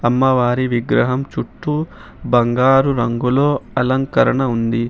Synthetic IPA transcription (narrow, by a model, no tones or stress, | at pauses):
ɐmːɐʋaːɾiʋiɡɾɐɦɐmt͡ʃuʈːu | bɐŋɡaːɾuɾɐŋɡulo̞ːɐlɐŋkɐɾɐɳɐund̪i